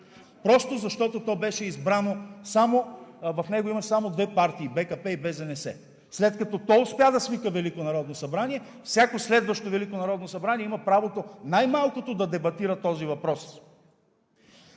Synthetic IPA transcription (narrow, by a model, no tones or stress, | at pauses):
pɾɔst̪ozɐʃt̪ɔt̪ot̪ɔbɛʃɛizbɾanosamovɐfnɛɡoimɐsamod̪vɛpaɾt̪iːbɛkɐpɛibɛzɐnɛsɛ̰ | slɛt̪kɐt̪ɔt̪ɔʊspʲjad̪ɐsvikəvɛlikonɐɾɔd̪nosɐbɾaniɛ | fsʲjakoslɛd̪vɐʃt̪ovɛlikonɐɾɔd̪nosɐbɾaniɛimɐpɾavot̪onajmalˠkot̪od̪ɐd̪ɛbɐt̪iɾət̪ɔzivɐpɾɔs